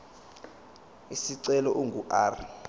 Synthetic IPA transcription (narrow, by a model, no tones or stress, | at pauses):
isiǀɛlɔʔuŋɡʱuʔaːr